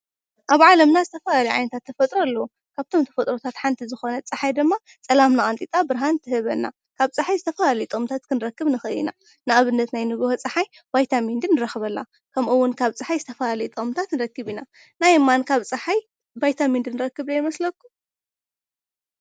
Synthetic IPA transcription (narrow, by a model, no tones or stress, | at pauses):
ʔaβʕalɐmnazɨt̪ʰɐfɐlaliʕa̰jnɐt̪ʰat̪ʰːɐfɐt̪ʼɾɐlːɐwu | kʰaβt̪ʰo̞mt̪ʰɐ̥fɐt̪ʼɾot̪ʰat̪ħant̪ʰizɨxo̞nɐt͡sʼɨħajd̪ɨmːa | t͡sʼɐlamnaʔʼant̪ʼit̪ʼabɨɾɦant̪ʰɨhɨβɐnːa̰ | kʰaβt͡sʼɨħajzɨt̪ʰɐfɐlalɐjt̪ʼɨmt̪ʰat̪kʰɨnɨɾɐkːɨβnɨxɨɨḭna̰ | nɨʔaβɨnːɐt̪najnɨβohot͡sʼɨħaj | bajt̪ʰamind̪ɨnːɨɾɐxɨβɐlːa | kʰɐmʔɨwːʊnkʰaβt͡sʼɨħajzɨt̪ʰɐfɐlalɐjt̪ʼɐmt̪ʰat̪nɨɾɐkːɨβina | najmːankʰaβt͡sʼɨħaj | bajt̪ʰamind̪ɨnɨɾɐkːɨβlɐjmɐslɐkːu̥